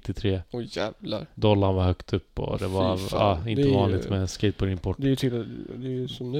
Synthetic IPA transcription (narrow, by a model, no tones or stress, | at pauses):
t̪ːɪt̪ʰɾeːɔjæːvlaɾd̪ɔlːaɳvaɾhœkt̪ʰɵpːɔ̰d̪ɛvaɾɑ̰ɪnəvɑːnlɪɡt̪mɛnskɛt̪̚pʰɔd̪ɪnpʰɔʈd̪ɛjt̪ʰɪld̪ɛjsɔm